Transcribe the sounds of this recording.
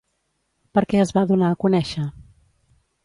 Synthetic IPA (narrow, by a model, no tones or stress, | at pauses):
pəɾkɛəzβaðunaəkunɛʃə